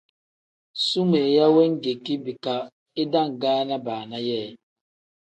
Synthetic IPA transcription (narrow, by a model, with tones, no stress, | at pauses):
su˦me˨ja˦we˦ŋ̩˦ɡe˨ki˦bi˨ka˨ | e˦da˦ŋ̩˨ɡaː˦na˦baː˨na˦jɛː˦˨